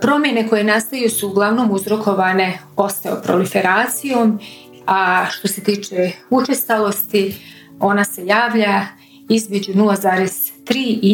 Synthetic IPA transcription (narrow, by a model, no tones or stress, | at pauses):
pɾo̞mje̞ne̞ko̞je̞nast̪ajusuːɡlˠaʋno̞ːmuzɾo̞ko̞ʋaːne̞o̞st̪ao̰pɾo̰life̞ɾaːt̪sijo̞ːm | aʃt̪o̞se̞t̪iːt͡ʃeut͡ʃest̪alo̞st̪i | o̞nase̞jaːʋʎa | izme̞d͡ʑunulˠazaːɾez̥t̪ɾiːʔi